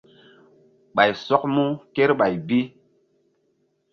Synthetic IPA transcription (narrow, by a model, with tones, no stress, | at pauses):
ɓa˨jsɔ˦k̚mu˦ke˦ɾɓa˨jbi˦